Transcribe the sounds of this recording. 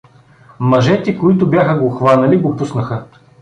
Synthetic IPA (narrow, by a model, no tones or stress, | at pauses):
mɐʒɛt̪ɛkoit̪ʊbjaxəɡoxvanɐliɡopusnəxə